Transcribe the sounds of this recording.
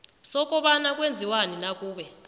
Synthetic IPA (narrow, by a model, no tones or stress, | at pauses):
sɔk̬ʼɔɓanak̬ʼwend͡zʱiwaninakʼuːɓɛ